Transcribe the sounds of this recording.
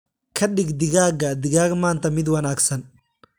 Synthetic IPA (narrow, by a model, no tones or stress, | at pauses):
kʰɐɗɪɡd̪ɪɣaːɡɐd̪ɪɣaːɡmaːnt̪ʰɐmɪd̪wɐnaːɡsɐn